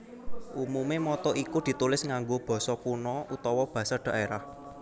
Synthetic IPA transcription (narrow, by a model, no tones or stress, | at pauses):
ʔumumemɔt̪ɔʔikud̪̥i̤t̪ulɪsŋaŋɡob̥ɔ̤sɔkunɔʔut̪ɔwɔb̥ä̤sarɖ̪̥a̤ʔeɾah